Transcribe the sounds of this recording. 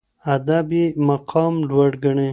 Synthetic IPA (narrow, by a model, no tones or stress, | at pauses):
ad̪abimaqʰɑmɖwaɖɡəɳe